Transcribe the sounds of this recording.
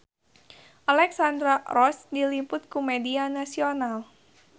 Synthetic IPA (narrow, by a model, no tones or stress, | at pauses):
ʔalɛksand̪ɾaɾɔsdilimpʊt̪̚kumedianasional